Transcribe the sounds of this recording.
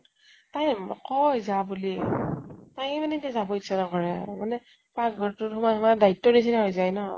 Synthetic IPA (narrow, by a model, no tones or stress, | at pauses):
tajkɔjzabuli | tajmanɛtɛzabɔitsanakɔɹɛmanɛ | paɡɔɹtʊthumatmadaitːɔnis̬inaɦojzajnɔ